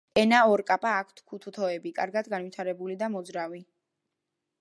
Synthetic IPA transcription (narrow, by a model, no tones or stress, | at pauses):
ɛnaɔɾkʼapʼaːkʷʰt̪ʰkʰut̪ʰut̪ʰɔɛbikʼaɾɡad̪ɡanvwit̪ʰaɾɛbulid̪amɔd̪zɾavi